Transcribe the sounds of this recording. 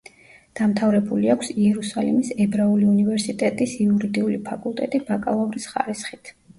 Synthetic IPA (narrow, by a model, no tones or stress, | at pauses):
d̪̥amt̪ʰavɾɛbuliakʷʰsiɛɾusalḭmisɛbɾauliunivɛɾsit̪ʼɛt̪ʼisiuɾid̪iulipʰakʼulˠt̪ʼɛt̪ʼibakʼalˠɔvɾisχa̰ɾisχit̪ʰ